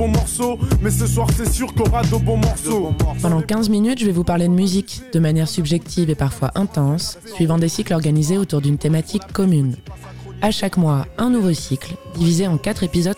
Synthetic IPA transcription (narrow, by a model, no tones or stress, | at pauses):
bɔ̃mɔʁsomɛsəswaʁsɛsyʁkɔʁad̪əbɔ̃mɔʁsopɑ̃d̪ɑ̃kʲɛ̃zminyt̪ʒəvɛvupaʁled̪əmyzikd̪̥əmanjɛʁsybʒɛk̚t̪ʰivepaʁfwaʔɛ̃t̪ɑ̃sːɥivɑ̃d̪esiklɔʁɡanizeot̪uʁd̪ynt̪emat̪ʰikːɔmyn | aʃakmwaɛ̃nuvosikld̪ivizeɑ̃kat̪χepizɔd̪